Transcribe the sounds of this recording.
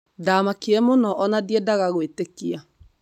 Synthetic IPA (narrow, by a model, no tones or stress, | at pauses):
damakiɛmonɔʔɔnadiɛdaɣaɣwetekia